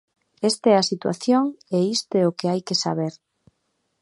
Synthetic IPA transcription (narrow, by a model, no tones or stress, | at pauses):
est̪ɛasit̪wa̰θjoŋeist̪eokeajkesa̰β̞eɾ